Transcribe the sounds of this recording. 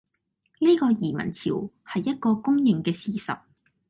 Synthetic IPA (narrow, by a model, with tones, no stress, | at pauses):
liː˥kɔː˧jiː˨˩mɐ̰˨˩nt͡sʰiː˨˩w | hɐ˨jːɐ˥t̚kɔː˧kʊ˥ŋjɪ˨˩ŋkɛː˧siː˨sɐ̰˨t̚